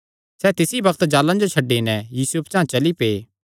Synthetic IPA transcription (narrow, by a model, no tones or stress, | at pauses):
sɛːt̪ɪsibɐkt̪d͡ʒaːlãd͡ʒot͡ʃʰɐɖːenɛ̃jiːsʊpt͡ʃãːãt͡ʃɐlipeː